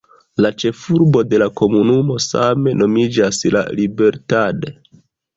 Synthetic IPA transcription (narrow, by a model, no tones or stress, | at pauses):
lat͡ʃe̞fuɾbo̞de̞lako̞munumo̞same̞no̞mid͡ʒasla̰libe̞ɾtade̞